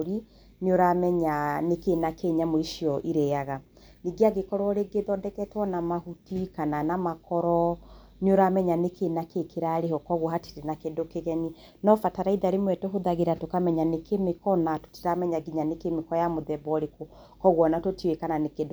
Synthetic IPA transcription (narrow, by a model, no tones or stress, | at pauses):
ɾi | neoɾamɛɲanekenakeɲamoiʃiɔʔiɾɛaɣa | niɡeaɡekɔɾwɔɾeɡeðɔdɛkɛtwɔnamahutikananamakɔɾɔ | neoɾamɛɲanekʰenakekeɾaɾehɔkɔɣwɔɦatiɾenakedokeɣɛni | nɔfataɾaiðaɾemwɛtɛɦoðaɣeɾatokamɛɲanekemekɔnato̥ti̥ɾamɛɲaɡiɲanekemekɔjamoðɛbɔɾeko | kɔɣwɔnatotiwekananekedo